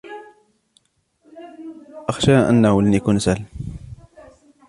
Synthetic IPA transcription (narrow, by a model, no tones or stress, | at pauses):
ʔɑxʃaʔə̰nːawəlnikʊnsal